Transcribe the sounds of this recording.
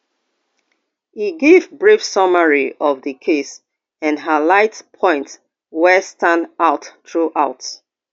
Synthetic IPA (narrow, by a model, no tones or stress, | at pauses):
hiɡevbɹifsʌməɹiɔvðəkʰes | ɛ̃nɦəlaɪtpʰɔ̃ɪ̃nt | wɛstãndaʊtːɹuʔaʊt